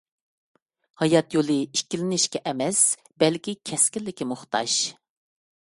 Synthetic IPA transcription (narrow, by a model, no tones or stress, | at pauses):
hɑjɑt̪jolˠɨikʲilɪnɪʃkʲɛʔɛmɛs | bɛlkʲikʲʰɛskʲilːɪkʲimʊχt̪ɑ̰ʃ